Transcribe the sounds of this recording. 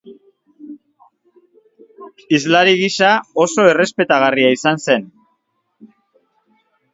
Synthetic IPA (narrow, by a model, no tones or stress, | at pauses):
izlaɾiɣisao̞so̞e̞re̞spe̞t̪aɣariaisanse̞n